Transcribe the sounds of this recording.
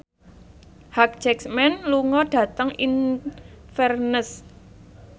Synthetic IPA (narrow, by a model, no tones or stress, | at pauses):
hak̚d͡ʒ̥ɛksmɛnluŋɔɖ̥ä̤t̪əŋin | fɛrnəs